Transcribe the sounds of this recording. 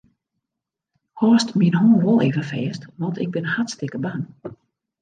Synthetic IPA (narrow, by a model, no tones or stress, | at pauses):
hɔːstminhoːnʋɔlˠeːvəfɛːstʋɔntɪ̰ɡ̚bɪnəhatstɪkəban